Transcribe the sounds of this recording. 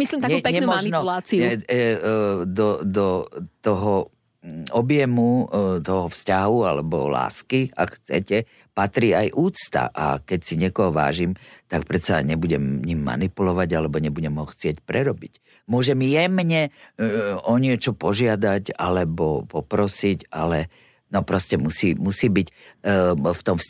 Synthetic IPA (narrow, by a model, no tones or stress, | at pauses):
mislimt̪aɲɛpɛkɲɛnuaninɔulat͡siɛ | d̪ɔd̪ɔt̪ɔɦɔ | ɔbjɛmut̪ɔɦɔfscaɦualɛbɔ̰la̰ːskia̰kxt͡sɛ̰cɛ | pat̪ɾiːajʔuːt͡st̪a̰ʔa̰kɛcsiɲɪɛkɔɦɔʋa̰ːʒimt̪ak̚pɾɛt̪saɲɛbuɟɛmɲimːa̰nipulɔʋaɟalɛbɔɲɛbuɟɛmɦɔxt͡sɪɛcpɾɛɾɔbic | mʊɔʒɛmjɛmɲɛ | ɔɲɪɛt͡ʃɔpɔʒɪad̪aca̰lɛbɔpɔpɾɔsicalɛ | nɔpɾɔscɛmusiːmusiːbic | ft̪ɔmfs